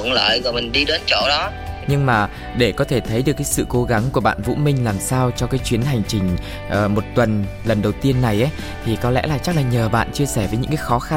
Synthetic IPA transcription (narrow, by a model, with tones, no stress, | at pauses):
ŋ͡mlə̰ː˧˨jzɔ˨˩jmï˨˩ŋ̟ɗi˧ɗəː˨˦nt͡ɕo˧˩˨ɗɔ˨˦ | ɲɨ˧ŋmaː˨˩ | ɗe˧˩kɔ˨˦t̪ʰe˧˩t̪ʰə˨˦jɗɨ˨˩əkːaː˨˦sɨ̰˧˨ko˨˦ɣa˨˦ŋku˧˩əɓa̰ː˧˨nvṵ˧˥mï˧ŋ̟laː˨˩msaː˧wt͡ɕɔ˧kaː˨˦jt͡ɕwi˨˦ənɦa˨˩jŋ̟t͡ɕï˨˩ŋ̟ | ʔəː˨˩mo˨˩t̚t̪wə˨˩n | lə˨˩nɗə˨˩wt̪i˧ənːa˨˩jʔa˨˦ | t̪ʰi˨˩kɔ˨˦lɛ̰˧˥laː˨˩t͡ɕa˦˥k̚laː˨˩ɲəː˨˩ɓa̰ː˧˨nt͡ɕi˧əsɛ˧˩vəː˨˦jɲɨ̰˧˥ŋkaː˨˦xɔ˨˦xa˧